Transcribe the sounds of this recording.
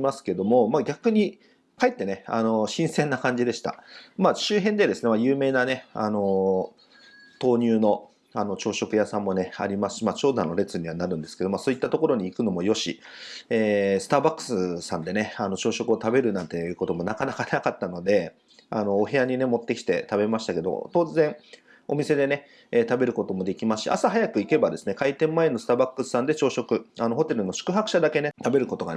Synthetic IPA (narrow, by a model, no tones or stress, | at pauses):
masɨ̥ke̞d̪o̞mo̞maɡʲakɯɲ̟i | kaet̪ːe̞ne̞a̰no̞ɕĩɰ̃sẽ̞nːakãɲ̟d͡ʑid̪e̞ɕi̥t̪a̰maːɕɨːɦẽ̞nd̪e̞d̪e̞sɨne̞majɯ̟ːme̞ːnane̞a̰no̞ | t̪o̞ːɲ̟ʲɨːno̞ | ano̞t͡ɕo̞ːɕo̞kɯ̟jasãmːo̞ne̞a̰ɾʲimasɨ̥imat͡ɕo̞ːd̪ano̞ɾe̞t͡sɨɲ̟iβanaɾɯ̟̃nd̪e̞sɨ̥ke̞d̪omaso̞ːit̪ːat̪o̞ko̞ɾo̞ɲ̟iːkɯno̞mo̞jo̞ɕieːsɨ̥t̪aːbakːɯ̟̥sɨsãnd̪e̞ne̞ano̞t͡ɕo̞ːɕo̞kɯot̪abe̞ɾɯ̟nãnt̪e̞jɯ̟ːko̞t̪o̞mo̞nakanakanakat̪ːano̞d̪e̞ | ano̞ːɦe̞jaɲ̟ine̞mo̞t̪ːe̞kʲi̥t̪e̞t̪abe̞maɕi̥t̪ake̞d̪o̞̰t̪o̞ːzẽ̞ɴ̃ | o̞mʲise̞d̪e̞ne̞ | et̪abe̞ɾɯ̟ko̞t̪o̞mo̞d̪e̞kʲimaɕḭʔa̰saɦajakɯ̟ike̞bad̪e̞sɨ̥ne̞kait̪ẽ̞mːaenːosɨ̥t̪aːbakːɯ̟sɨ̥sãnd̪e̞t͡ɕo̞ːɕo̞kɯ̟ano̞ɦo̞t̪e̞ɾɯ̟no̞ɕi̥kɯ̟ɦakɯ̟̥ɕad̪ake̞ne̞t̪abe̞ɾɯ̟ko̞t̪o̞ɡa̰